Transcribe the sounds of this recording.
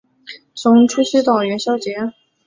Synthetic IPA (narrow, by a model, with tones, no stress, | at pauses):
t͡sʰʊ˧˥ŋʈ͡ʂʰy˥ɕy˥t̪ɑ˨˩ʊɥɛ˧˥nɕjɑ˥ʊt͡ɕjɛ˧˥